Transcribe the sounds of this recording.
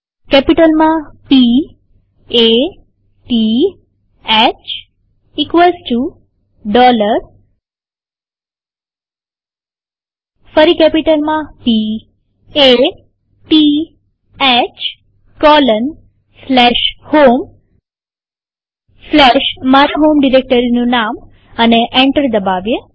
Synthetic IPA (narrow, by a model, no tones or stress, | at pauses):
kɛpiʈəlmãpi | e | ʈi | ɛt͡ɕ | ikʋəlsʈu | ɖɔləɾ | fəɾiːkɛpiʈəlmãpi | e | pi | ɛt͡ʃ | kɔlən | slɛʃhom | slɛʃmaɾaɦomɖiɾek̚ʈəɾinũnam | əneʔeɳʈəɾd̪əbaʋje